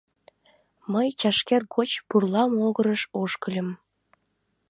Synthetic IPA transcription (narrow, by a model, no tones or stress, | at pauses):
məjt͡ɕɑʃkerɡot͡ɕpurlˠɑmoɣɤɾə̆ʃoʃkə̆lʲə̆m